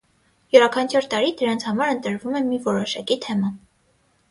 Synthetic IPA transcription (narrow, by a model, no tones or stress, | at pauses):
juɾɑkʰɑnt͡ʃʰɔɾt̪ɑɾid̪əɾɑnt͡sʰhɑmɑɾənt̪əɾvumɛmivɔɾɔʃɑkit̪ʰɛmɑn